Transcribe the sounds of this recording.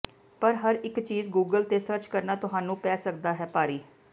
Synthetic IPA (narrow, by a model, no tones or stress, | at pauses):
pəɾɦəɾɪkt͡ʃiːzɡuːɡəlt̪eːsəɾt͡ʃkəɾnaːt̪ʊɦaːnũːpɛːsəkd̪aːɦɛːpaːɾiː